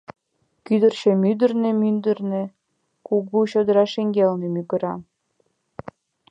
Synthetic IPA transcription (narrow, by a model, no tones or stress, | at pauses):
kyd̪ərt͡ɕĕmyd̪ə̆rnemynd̪ərnĕ | kuɣuɕod̪əɾɑʃeŋɡelnĕmyɣə̆ɾɑ